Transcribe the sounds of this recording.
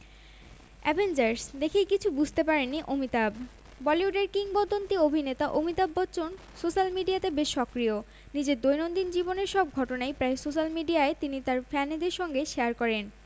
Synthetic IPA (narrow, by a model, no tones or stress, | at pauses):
ɛ̰bʱend͡ʑaɾsd̪ekʰejkit͡ɕʰubud͡ʑʱt̪epaɾenːiʔomit̪ab | bɔliuɖeɾkiŋɡbod̪ʱːont̪iobʱinet̪aʔomit̪abːɔtːt͡ɕon | soʃalmiɖijat̪ebeʃːɔkɾio | nid͡ʑeɾd̪ojnond̪ind͡ʑiboneɾʃɔb̚ɡʱɔʈonajpɾaesoʃalmiɖiaet̪init̪aɾfɛned̪eɾʃɔŋɡeʃeaɾkɔɾen